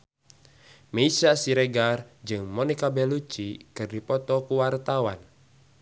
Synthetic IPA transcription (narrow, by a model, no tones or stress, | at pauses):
meisasiɾɛɡard͡ʒɨŋmɔnikabɛlut͡ʃikɨrdipɔt̪ɔkuwart̪awan